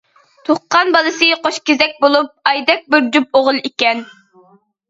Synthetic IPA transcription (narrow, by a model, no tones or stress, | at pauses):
t̪ʰoχqːɑnbɑlˠɨsɨqʰoʃkʲezɛk̚ʲbolˠup̚ɑjd̪ɛk̚ʲbɪɾd͡ʒup̚oʁʊlˠikʲɛn